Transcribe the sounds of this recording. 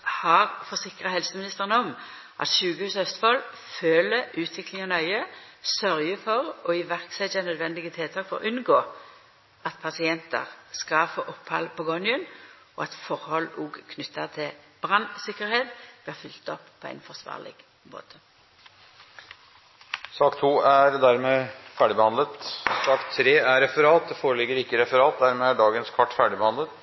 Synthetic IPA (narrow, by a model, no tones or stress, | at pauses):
hɑʁfɔsɪkʁɑhɛlsəmɪnɪst̪əʁənəɔm | ʔɑ̰t̪ʃʉːɡəhʉːshœst̪fɑl | føːləʉːt̪ʰʋɪklɪŋɔnœʏə | sœʁjəfɔʁɔɪʋæʁksɛt̪jənœd̪ʋɛnd̪ɪɡət̪ʰɪlt̪ʰɑːkfɔʁɔ̰ʔʉnɡoː | ʔɑt̪pʰɑsɪɛnt̪ə̰ʁskɑfɔʔɔpːhɑ̰lpɔɡɔnɪʉn | ɔ̰ɑt̪fɔʁhɔlʔuːɡkʰnʏt̪ːəʁt̪ʰɪ | b̥ʁɑnsɪkəʁheːt̪b̥lɪːʁfʏlt̪ɔpːpʰɔæ̰ɪnfɔʁsʋɑ̰ːʁlɪ̰ɡ | mo̰ːt̪ʰə̥ | sɑːkt̪ʰuːæɾd̪æɾmeːfæɖɪbɛhɑnd̪lət̪sɑːkt̪ʰɾeːæɾɾɛfəɾɑːt̪̚d̪ɛfoːɾəlɪɡəɾɪkːəɾɛfəɾɑːt̪̚d̪æɾmɛːæɖɑːɡənskʰɑʈːfæɖɪbɛhɑnd̪ət̪